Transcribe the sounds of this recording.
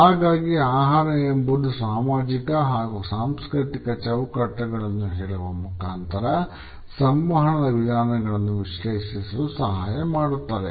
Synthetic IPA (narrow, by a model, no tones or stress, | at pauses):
ɦaːɡaːɡiaːɦaːɾɐjɐmbud̪usaːmaːd͡ʒikɐɦaːɡusaːmskɾiʈ̪ikɐt͡ʃɐwkɐʈːɐɡɐɭɐnːuɦɛːɭuʋɐmukaːnt̪ɐɾɐ | sɐmʋɐɦɐɳɐd̪ɐʋid̪ʱaːnɐɡɐɭɐnːuʋiʃlɐsisɐusɐɦaːjɐmaːɽut̪ːaːɾe